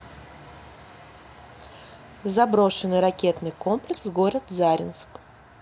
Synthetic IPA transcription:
zɐbɾo̞ʂɨnːɨjɾɐkʲe̞t̪nɨjko̞mplʲɪksɡo̞ɾət̪zaɾʲɪ̰nsk

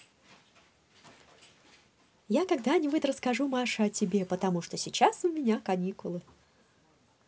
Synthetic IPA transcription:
jakɐɡd̪anʲɪbʊtʲrəskɐʐumaʂɨɐtʲɪbʲe̞pət̪ɐmuʂt̪osʲɪt͡ɕasʊmʲɪnʲakɐnʲikʊlˠɨ

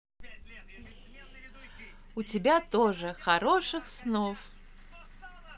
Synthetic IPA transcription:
ʊtʲɪbʲat̪oʐɨxɐɾoʂɨxsnof

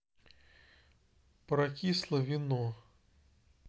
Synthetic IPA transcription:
pɾɐkʲislˠəvʲɪnɔ

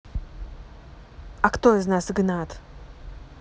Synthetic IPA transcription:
ɐkt̪oɪznasɨɡnat̪

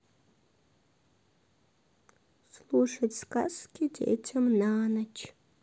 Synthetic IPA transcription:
sluʂɐdska̰skʲʰidḛʔetʰɐmnaːnɐt͡ʃʰ

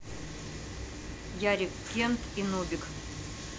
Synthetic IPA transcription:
jaɾʲɪkːʲent̪ʰinubʲɪk

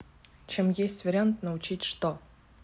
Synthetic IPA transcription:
t͡ɕʰemjesʲtʲvʲeɾʲɪant̪nɐut͡ɕitʲʂt̪o

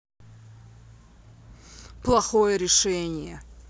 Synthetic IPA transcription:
plˠɐxojəɾʲɪʂɛnʲɪjɛ

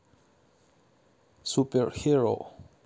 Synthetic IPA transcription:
supɛɹhiɹo̰

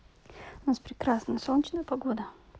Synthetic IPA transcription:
ʊnaspɾʲɪkɾasnəjəsolnʲt͡ɕnəjəpɐɡod̪ə

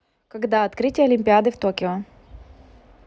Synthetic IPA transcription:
kɐɡd̪aɐt̪kɾɨtʲɪjəɐlʲɪmʲpʲɪad̪ɨft̪okʲɪo

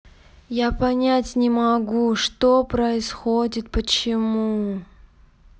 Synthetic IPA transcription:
japɐnʲatʲnʲɪmɐɡuʂt̪opɾəɪsxodʲɪt̪̚pət͡ɕɪmu

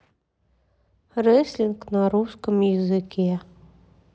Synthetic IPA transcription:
resʲlʲinknaɾuskəmjəzɨkʲe

